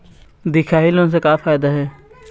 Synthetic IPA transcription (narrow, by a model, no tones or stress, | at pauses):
d̪ikʰaːɦil̃s̬ekaːfaːjd̪aɦɛː